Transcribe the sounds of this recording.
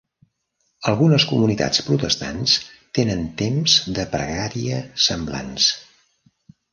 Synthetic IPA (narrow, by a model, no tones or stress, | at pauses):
əlˠɣunəskumunit̪a̰t͡spɾut̪əst̪a̰nst̪enənt̪emzd̪əpɾəɣaɾiəsəmbla̰ns